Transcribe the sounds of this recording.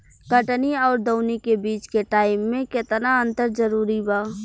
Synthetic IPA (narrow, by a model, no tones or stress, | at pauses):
kəʈniɔːɾd̪oːnikebiːt͡ʃkeʈaːɪmːẽkɪt̪naə̃nt̪əɾzəɾuːɾibaː